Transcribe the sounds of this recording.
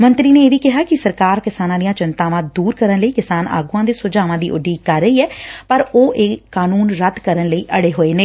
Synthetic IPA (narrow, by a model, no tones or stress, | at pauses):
mənt̪ɾiːneːeːʋiːkɪɦaːkɪsəɾkaːɾkɪsaːnãːd̪ijãːt͡ʃɪnt̪aːʋãːd̪uːɾkəɾənləiːkɪsaːnʔa̰ːɡũãːd̪eːsʊd͡ʒaːʋãːd̪iːʔʊ̰ɖːiːkəɾːəiːɛːpəɾoːʔeːkːaːnuːnɾət̪kəɾənləiːʔəɽeːɦoːeːnẽː